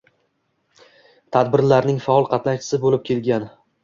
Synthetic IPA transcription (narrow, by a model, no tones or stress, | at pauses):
t̪ʰad̪bɪɾlaɾnɪŋfaɒlˠqʰɑt̪nat͡ʃʰɪ̥sɪbolɪp̚kʲʰe̞lɡʲan